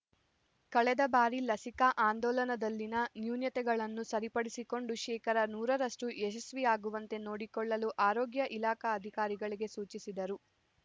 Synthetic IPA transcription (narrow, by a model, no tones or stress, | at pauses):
kɐɭɛd̪ɐbaːɾilɐsikɐʔaːnd̪ɔːlɐnɐd̪ɐlːinɐnjuːnjɐt̪ɛɡɐɭɐnːusɐɾipɐɽisiko̞ɳɖuʃɛːkɐɾɐnuːɾɐɾɐʂʈuʔeʃɐsʋiaːɡuʋɐnt̪e̞no̞ːɽikɔɭːɐluʔaːɾoːɡjɐʔilaːkɐːd̪ʱikaːɾiɡɐɭiɡe̞suːt͡ʃisid̪ɐɾu